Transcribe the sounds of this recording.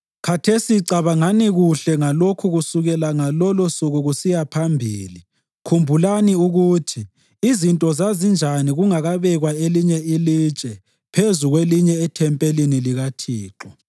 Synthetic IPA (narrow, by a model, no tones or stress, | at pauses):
kʰatʰesiǀaβaŋaniɣuɬɛŋalokʰuɣusuɣɛlaŋalɔlɔsuɣuɣusijapʰambʱḭːli | kʰumbʱulaniuɣutʰiː | zintʼɔzazind͡ʒʱaniɣuŋaɣaβɛɣwaeliɲɛilit͡ʃʼɛ | pʰezuɣweliɲɛɛtʰɛmpʼeliniliɣatʰiːǁɔ